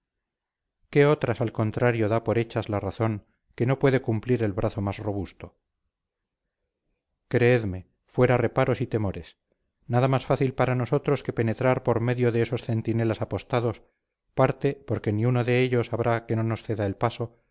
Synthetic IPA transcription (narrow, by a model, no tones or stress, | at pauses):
ke̞o̞t̪ɾasalko̞nt̪ɾaɾjo̞ðapo̞ɾe̞t͡ʃazlaraθo̞ŋ | ke̞no̞pwe̞ðe̞kumpliɾe̞lβɾʔaθo̞masro̞β̞ust̪o̞ | kɾe̞eðme̞ | fwe̞ɾare̞paɾo̞sit̪e̞mo̞ɾe̞s | naðamasfaθilpaɾano̞so̞t̪ɾo̞ske̞pe̞ne̞t̪ɾaɾpo̞ɾme̞ðjoðeeso̞sθe̞nt̪ine̞lasapo̞st̪aðo̞s | paɾt̪e̞po̞ɾke̞niunoðe̞eʎo̞saβɾake̞no̞no̞sθe̞ðaelpaso